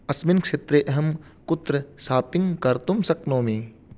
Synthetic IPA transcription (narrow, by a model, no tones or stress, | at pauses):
ɐsmɪnkʃeːt̪ɾeːʔɐɦəmkʊt̪ɾəsaːpɪ̃ŋɡkɐɾt̪ʊmsɐknõːmĩː